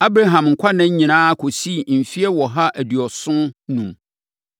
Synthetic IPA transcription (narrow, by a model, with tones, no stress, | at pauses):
a˦bɾa˦ɦã˨mŋ̩˨kʷʰa˦nã˦ɲĩ˨nãː˦kʰo˨si˦˨m̩˨fi˦ɛ˦wɔ˨ɦa˦ʔæ˨di˨ɔ˨sʊ̃˦nũ˨m